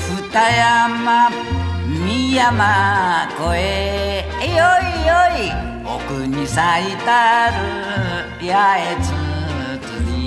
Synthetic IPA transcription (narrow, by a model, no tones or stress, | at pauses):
fut̪ajama | mijamakoe | ejoioi | okuɲisait̪aɾu | keaet͡su | t̪uni